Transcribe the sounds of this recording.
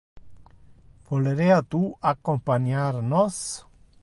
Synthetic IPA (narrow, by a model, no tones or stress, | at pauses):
voleɾead̪uːakːompanjaɾnɔs